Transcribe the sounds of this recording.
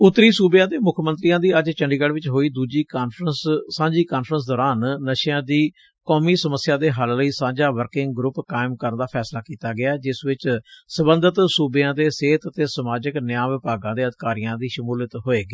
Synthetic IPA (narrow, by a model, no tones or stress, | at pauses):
ʊt̪ːɾiːsuːbjãːd̪eːmʊkʰmənt̪ɾijãːd̪iːəd͡ʒt͡ʃəɳɖiːɡəɽʋɪt͡ʃɦoːiːd̪uːd͡ʒiːkaːnfʰɾəsːãːd͡ʒiːkaːnfʰɾəns̬d̪ɔːɾaːnːəʃjãːd̪iː | kɔːmiːsəməsjãːd̪eːɦəlləiːsãːd͡ʒaːʋəɾkɪŋɡɡɾʊpkaːɪmkəɾnd̪aːpʰɛːslaːkiːt̪aːɡɪaːd͡ʒɪsʋɪt͡ʃsəbənd̪ət̪suːbjãːd̪eːseːt̪ət̪eːsəmaːd͡ʒəknɪjãːʋɪpaːɡãːd̪eːəd̪ɪkaːɾijãːd̪iːʃəmuːlət̪ɦoːeːɡiː